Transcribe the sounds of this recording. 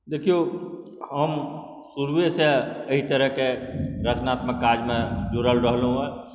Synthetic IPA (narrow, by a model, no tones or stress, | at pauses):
d̪eːkʰijo | ɦəm | suɾweseəɦit̪əɾəɦkeɾət͡ʃnaːt̪məkːaːd͡ʒmẽd͡ʒuɾəlɾəɦlũɛ̃ː